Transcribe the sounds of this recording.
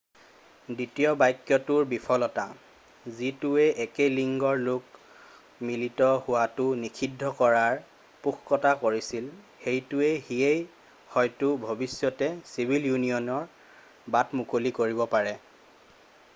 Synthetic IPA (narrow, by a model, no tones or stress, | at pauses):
ditijɔbajkːjɔtʊɹbipʰɔlɔta̰ | zitʊɛʔɛkeliŋɡɔɹlʊk | militɔhʊwatʊnikʰidʱːɔkɔɹaɹ | pukʰkɔtakoɹisil | hejtʊɛhiej | hɔjtʊbʱobisjɔtɛsibʱiljunijɔnɔɹ | batmukolikoɹibɔpaɹɛ